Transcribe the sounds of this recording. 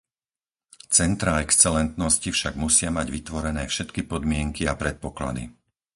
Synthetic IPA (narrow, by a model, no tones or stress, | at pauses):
t͡sɛnt̪ɾaɛkst͡sɛlɛnt̪nɔscifʃaɡmusɪamaɟʋit̪ʋɔɾɛnɛːfʃɛt̪kipɔd̪mɪɛŋkiapɾɛt̪̚pɔkla̰d̪ḭ